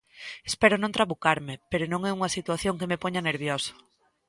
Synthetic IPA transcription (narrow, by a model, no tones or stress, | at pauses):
espɛɾonõnt̪ɾaβukaɾmepeɾonõŋɛuŋɐsit̪waθjoŋkemepɔɲaneɾβjosḁ